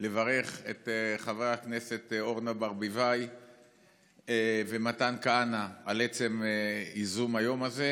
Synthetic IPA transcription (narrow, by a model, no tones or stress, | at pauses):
le̞vaʁe̞χe̞tχaveakne̞se̞to̞ʁnabaʁbivaj | vematankaanaalet͡se̞mizumajo̞maze